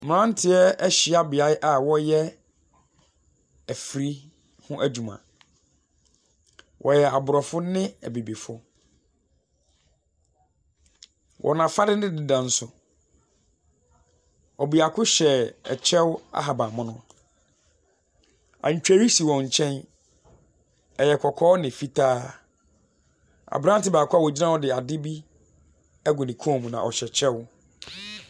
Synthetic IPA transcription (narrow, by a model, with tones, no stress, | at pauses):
m̩˨ã˦n˦tʰɪ˨ɛ˦ɛ˦ɕɪ˨a˦bɪ˨a˦ʔa˨wɔ˦jɛ˦ | æ˨fi˨ɾi˦ | hʊ̃˦ʔæ˦d͡ʑu˨mã̰˨ | wʔɔ̰˨jɛ˨a˨bʊ˨ɾɔ˨fʊ˦nɪ̃˦æ̰˨bi˨bi˨fʊ˦ | wʔɔ̰˨nã˨fa˦dɪ˦nɪ̃˦dɪ˦dã˨n̩˦sʊ˨ | ɔ˨bi˨a˨kʰʊ˦ɕɛ˨ɛ̰˨t͡ɕʰɛ˦wa̰˦ɦa˨bã˨mʊ̃˦nʊ̃˦ | ã̰˨ɲ̩˨t͡ɕᶣæ˦ɾi˦si˨wɔ̃˨ɲ̩˨t͡ɕʰɛ̃˦n | ɛ˨jɛ˨kʰɔ˨kʰɔː˦nɪ̃˨fi˦tʰaː˦ | a̰˨bɾã˦n˦tɪ˦baː˨kʰʊ˦a˦˨wɔ˨d͡ʑi˦nã˦wɔ˦dɪ˨a˨dɪ˦bi˦ | ɛ˦ɡʊ̃˨nɪ̃˨kʰu˦ɔ̃˨mũ˨nã̰˨ɔ˨ɕɛ˨t͡ɕʰɛ˦w